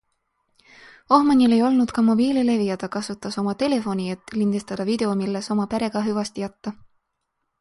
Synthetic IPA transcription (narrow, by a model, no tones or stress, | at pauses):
o̞hmɑnile̞jo̞lnud̪̥kɑmo̞biːlile̞vijɑd̪̥ɑkɑsut̪ːˑɑso̞mɑt̪e̞le̞fo̞niet̪ːˑlind̪̥est̪ɑd̪̥ɑvid̪̥e̞omilːeso̞mɑpæɾe̞ɡ̥ɑɦyvɑst̪ijɑt̪ːɑ